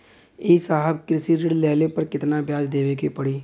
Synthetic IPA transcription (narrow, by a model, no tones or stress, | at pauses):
eːsaːɦəbkɾɪsiɾɪɽlɛːlepəɾkɪt̪nabjaːd͡ʒd̪eːʋekepəɽiː